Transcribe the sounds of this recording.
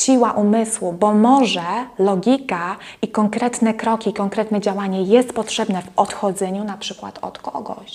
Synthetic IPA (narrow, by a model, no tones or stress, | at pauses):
ɕiwaʔumɘswubɔmɔʐɛlɔɡʲikaikɔŋkɾɛt̪nɛkɾɔkʲiːkɔŋkɾɛt̪nɛd͡ʑawaɲɛjɛst̪pɔtʂɛbnɛvɔt̪xɔd̪zɛɲunapʂɘkwa̰t̪ɔ̰t̪kɔɡɔ̰ɕ